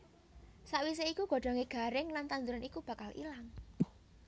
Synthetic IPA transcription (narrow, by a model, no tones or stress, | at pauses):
saʔwis̬eikuɡ̥o̤ɖ̥ɔ̤ŋeɡ̥a̤ɾɪŋlant̪and̪uɾanikub̥ä̤kalʔḭlaŋ